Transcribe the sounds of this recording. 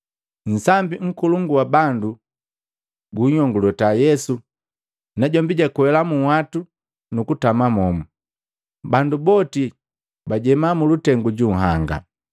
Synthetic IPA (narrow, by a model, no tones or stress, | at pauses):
n̩sambiŋ̩kuluŋɡuwabandu | ɡuɲɔŋɡulɛtajɛsu | naɟɔmbiɟakuwɛlamuwatu | nukutamamɔmu | bandubɔti | baɟɛmamulutɛŋɡuɟuɦaŋɡa̰